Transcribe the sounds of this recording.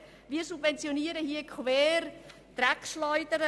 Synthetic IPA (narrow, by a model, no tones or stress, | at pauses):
viːəɾsubvɛnt͡sjoniːəɾəhiəkʰvɛːɾ | t̪ɾɛkʃlɔʏdəɾə